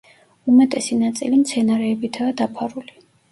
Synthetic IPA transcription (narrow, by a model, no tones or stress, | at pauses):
umɛt̪ʼɛsinat̪sʼilimt̪sʰɛnaɾɛːbit̪ʰaːd̪apʰaɾuli